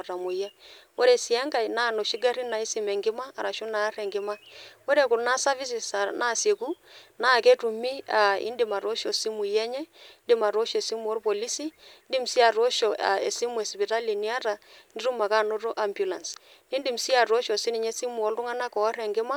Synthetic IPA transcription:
ɾa˨mo˨ja˦ | o˦ɾe˨si˨ɛ˦ŋɡa˨i˨na˦˨no˨ʃi˦ɡa˦ɾi˦na˨i˦si˦mɛ˨ŋɡɪ˦maː˦˨ɾa˨ʃo˦na˨˦ɾɛ˨ŋɡɪ˦ma˦o˦ɾe˨ku˨lna˦sa˦vi˦si˨sa˨na˦˨se˨ku˦na˦˨ke˦tu˨mi˦a˨ḭ˦ndɪ˨ma˨ɾo˦ʃɔ˨si˦mu˨jɛ˦ɲɛ˦ndɪ˦ma˨ɾo˦ʃɔ˨ɛ˨si˦mu˨ɔ˦lpo˨li˦si˦ndi˦m̩˨si˦a˨ɾo˦ʃɔ˨a̰˨ḛ˨si˦mu˦ɛ˨spi˨ta˦li˨ni˦a˦ta˨ni˦ɾu˦ma˨ka˦˨no˦ɾo˦ʔa˦mbju˨la˨ns | i˦ndi˨m˨si˦a˨ɾo˦ʃɔ˨si˦ni˨ɲɛ˦si˦mu˨ɔ˦lru˦ŋa˦na˦kɔ˨˦ɾɛ˨ŋɡɪ˦ma˦

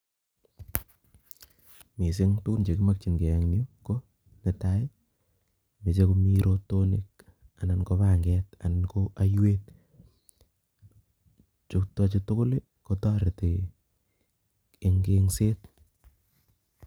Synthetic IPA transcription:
mi˨s̬ɪ˦ŋtu˦ku˦nt͡ʃe˨kɪ˦ma˦k̚t͡ʃi˨nɡe˨ɛ˨ŋnjo˦ko˦ | ne˨ta˦ɪ˦ | me˨t͡ʃe˦komi˦ɾo˦to˦nḭ˨k̚ | a˨na˨nko˦βa˦˨ŋɡɛta˨na˨nkoa˦jwe˦t̚ | t͡ʃʊ˦kta˦t͡ʃi˦tʊ˦kʊ˦le˦ | ko˦tɔ˦ɾe˨ti˨˦ | ŋɡe˦ŋse˦t̚

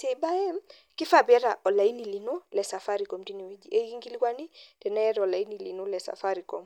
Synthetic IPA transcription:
tɛ˨ba˦ɛ˦ | ki˦fa˨bɛ˦ɾa˨ʔɔ˨la˨i˦ni˨li˨no˦lɛ˨sa˨fa˦ɾi˨kɔ˨mdi˦ni˨wi˦d͡ʒi˨ʔɛ˦i˦ŋɡi˦li˦kwa˦ni˦d̥ɛ˨nɛ˦ɛ˦ɾɔ˨la˨i˦ni˨li˨nu˦lɛ˨sa̰˨fa˦ɾi˨kɔ˨m

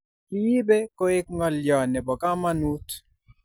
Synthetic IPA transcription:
i˦ji˦be˦kɔ˦ɪ˦k̚ŋɔ˨ljɔ˨nɛ˨bɔ˨ka˦ma˦nu˦t

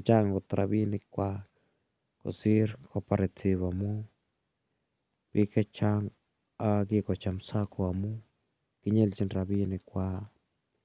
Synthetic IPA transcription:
a˧t͡ʃa˦ŋɡo˨t̪ɾʔa̰˨˧bi˦ni˧kʷa˧ | ko̰˨si˦ɾka˧pa˧ɾe˧t͡si˧βa˨mu˦ | b̥i˧ka˦t͡ʃa˧ŋ | a˧ɡi˧kʷa˨t͡ʃa˧msa˦ko˧a˨mu˦ | ki˧ɲe˦lt͡ʃi˦nɾa˧bi˦ni˧kʷa˧

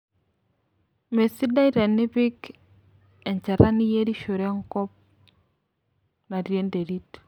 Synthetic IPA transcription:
me˨si˦da˦i˦ɾɛ˨nːɪ˦pɪ˦k | ɛ˨ɲt͡ʃa˨ɾa˦ni˦je˦di˦ʃo˨ɾe˦ŋkɔ˦p̚ | na˨ɾje˦nde˨ɾi˦t

